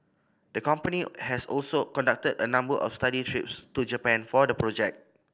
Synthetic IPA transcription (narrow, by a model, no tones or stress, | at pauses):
dəkɔ̃mpənihɛsɔ̰lsokɔ̃ndak̚tədənãmbəʔɔ̰fstaditʰɹipstud͡ʒəpɛ̃nfɔdəpɹɔd͡ʒɛk̚